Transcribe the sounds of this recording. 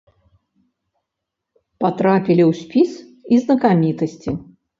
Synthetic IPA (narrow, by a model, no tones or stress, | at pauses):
pat̪ɾapʲilʲiwsʲpʲis | iznɐkamʲit̪ɐsʲt͡sʲi